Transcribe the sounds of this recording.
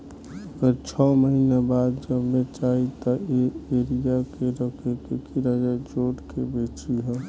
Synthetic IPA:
əɡəɾt͡ʃʰɔməɦinabaːd̪d͡ʒəbmet͡ʃaːɦit̪ɔeeːɾijakeɾəkekekiɾad͡ʒad͡ʒoːʈkebeːt͡ʃiɦɛː

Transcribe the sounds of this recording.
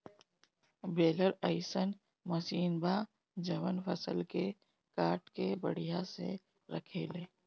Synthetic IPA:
beːləɾəɪsən | mɐsiːnbaː | d͡ʒɐʋənfʰəsə̰lke | kaːʈkebəɽijasḛ | ɾɐ̰kʰeːleː

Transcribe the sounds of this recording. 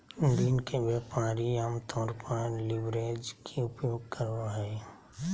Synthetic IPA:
nd̪iːnkeʋjapaːɾiamt̪ʰɔːɾpəɾlɪbɾeːd͡ʒkʰeʊpjoːɡ̚kʰəɾoɦɛː

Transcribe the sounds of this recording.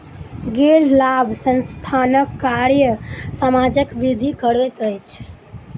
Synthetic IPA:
ɡeɾlabʱsənst̪ʰanəkːaɾjəsamad͡ʒəkʋid̪ʱikəɾət̪əjt͡ʃʰ

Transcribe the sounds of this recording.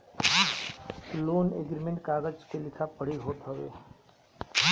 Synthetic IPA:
loːneɡɾimẽɳʈkaːɡəd͡ʒkelɪkʰapɐɽ̤iɦoːt̪ɦɐʋḛː

